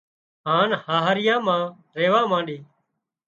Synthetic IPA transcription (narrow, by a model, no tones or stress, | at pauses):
ɦãːnhaːɦɾɪjãːmãː | ɾeːʋaːmãːɳɗiː